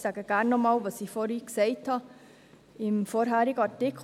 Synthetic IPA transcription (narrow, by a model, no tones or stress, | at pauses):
sæːɡəɡ̥ænːɔmɑːlʋɑsifɔɾiːksɛɪthɑ | ɪmfɔɾɦæɾiɡəɑɾtɪkʰ